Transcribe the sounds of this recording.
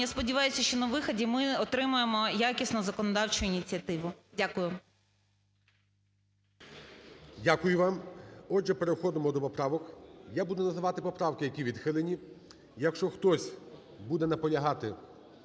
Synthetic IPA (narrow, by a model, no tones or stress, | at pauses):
jaspɔdʲɪʋɑjʊsʲɐʃt͡ʃɔnɐʋɪxɐdʲimɪɔt̪ɾɪmʊjemɔjakʲisnɔzɐkɔnɔd̪ɑwt͡ʃʊinʲit͡sʲiɐt̪ɪʋʊdʲakʊjʊ | dʲakʊjʊʋɑmɔʒɛpeɾexɔd̪ɪmɔd̪ɔpɔpɾɑʋɔkjabud̪ʊnɐzɪʋɑt̪ɪpɔpɾɑwkɪjɐkʲiʋʲid̪xɪlˠenʲi | jɐkʃt͡ʃɔxt̪ɔsʲ | bud̪ɛnɐpɔlʲɐɦɑt̪ɪ